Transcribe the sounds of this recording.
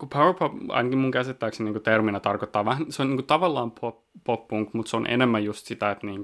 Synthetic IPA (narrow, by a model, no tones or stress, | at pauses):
kupʰawə˞pʰopɑ̰jnɑkimuŋkæsit̪ːæykseniːŋkut̪erminɑt̪ɑrkot̪ːɑːʋæhnseoniːŋkut̪ɑʋɑlːɑːmpʰoppopːuŋkmut̪seonʔḛnemːæjust̪sit̪æet̪niːŋk